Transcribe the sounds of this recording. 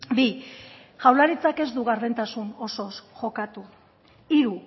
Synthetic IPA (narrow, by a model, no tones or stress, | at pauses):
bi | ʝawlaɾit͡sake̞zd̪uɣaɾðent̪asuno̞so̞sʝo̞kat̪u | iɾu